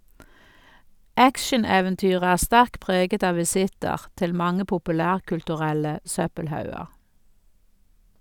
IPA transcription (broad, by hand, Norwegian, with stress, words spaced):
ˈækʃəneːʋɛnˌtyːʁ ˈæː ˈstæʁk ˈpʁeːɡət ˈɑː ʋɪˈsɪtəʁ ˈtɪl ˈmɑŋə pʊpʉˈlæːʁkʉltʉˌʁɛlə ˈsœpəlˌhɑʉəʁ